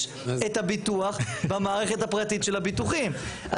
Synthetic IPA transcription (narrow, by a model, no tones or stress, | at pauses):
et̪habit̪uaχbamaːʁeχe̞t̪hapʁat̪itʃe̞labit̪uχim | a